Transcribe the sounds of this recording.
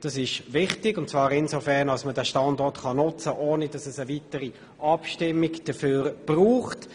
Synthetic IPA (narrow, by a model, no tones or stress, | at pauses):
d̥ɑsɪʃvɪχtɪɡʊntt͡svɑːɾɪnsofɛʁnɑlsmədæːʃtɑndɔrtχɑnʊt͡səʔoːnəd̥ɑsɛsəvitəɾi | ʔɑpʃtɪmːɪɡd̥əføːɾb̥ruːχt